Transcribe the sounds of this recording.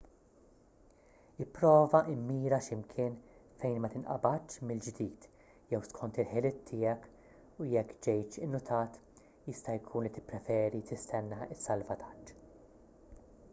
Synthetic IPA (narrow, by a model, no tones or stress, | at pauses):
ɪpːɾɔːvɐʔɪmːiːɾɐʃɪmkʰɪːnfɛjnmɐt̪ɪnʔɐ̰bɐtːʃmɪld͡ʒd̪iːt̪ | jɛwskʰɔnt̪ɪlħɪlɪt̪ʰːɪːɛk | ujɛkːd͡ʒɛjt͡ʃɪnːʊt̪ʰɐːt̪ | jɪst̪ɐjkʰuːnlit̪ɪ̥pːɾɛfɛːɾit̪ɪst̪ʰɛnːɐɪsːɐlvɐt̪ʰɐ̥t͡ʃː